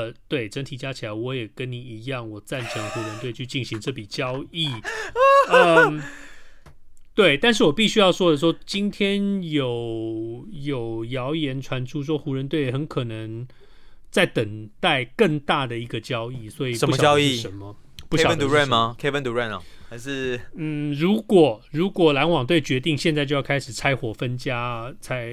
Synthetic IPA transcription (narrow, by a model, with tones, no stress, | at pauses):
t̪we˥˩ɪʈ͡ʂə˧˥ŋt̪ʰi˨˩t͡ɕja˦t͡ɕʰi˨˩la˨˧˦ɪwɔ˧˦jɛ˨˩kə˦nni˨˩i˧˥jɑ˥˩ŋwɔ˨˩t͡sa˥˩nʈ͡ʂʰə˧˦ŋxu˧˥ɻə˧nt̪we˥˧ɪt͡ɕʰy˥˧t͡ɕi˥˩nɕi˧˦ŋʈ͡ʂɤ˥˩pi˨˩t͡ɕjɑ˦ʊi˥˩ | ə˧ | t̪we˥˩ɪt̪a˥˧nʂ̬ɻ̩˥˩wɔ˨˩pi˥˩ɕy˥jɑ˥˩ʊʂwɔ˥d̪ə˨ʂ̬wɔ˥t͡ɕi˦nt̪ʰjɛ˦˥njo˨˩ʊʊ | jo˨˩ʊjɑ˧˦ʊjɛ˧˥nʈ͡ʂʰwa˧˦˥nʈ͡ʂʰu˦ʂ̬wɔ˥xu˧˥ɻə˧˦nt̪we˥˩ɪjɛ˩xə˧˦nkʰɤ˨˩nə˧˦ŋ | t͡sa˥˩ɪt̪ə˨˩ŋt̪a˥˧ɪkə˥˧ŋt̪a˥˩d̪ə˩i˧˥ɡə˧t͡ɕjɑ˥ʊi˥˩swɔ˧˦˥i˨ə˧u˩ɑ˨jɑ˧˦i˥˩ʂə˧˦nmə˧pu˥ɕɑ˨˦nt̪u˨ɹɛ˥˨nɐ˨kʰe˥və˦nt̪u˨˧ɹɛ˥˨nɔ˨˩a˧˥ʂɻ̩˥˧n̩˥˩ɻu˧˥kwɔ˨˩ɻu˧˦˥kwɔ˨˩la˧˥nwɑ˨˩ŋt̪̬we˥˩ɪt͡ɕɥɛ˧˥t̪i˥˧ŋɕjɛ˥˧t͡sa˥˧ɪt͡ɕo˥˧jkʰa˥ɪʂɻ̩˨˩t͡sʰa˥ɪxwɔ˨˩fə˦nt͡ɕja˦t͡sʰa˥ɪ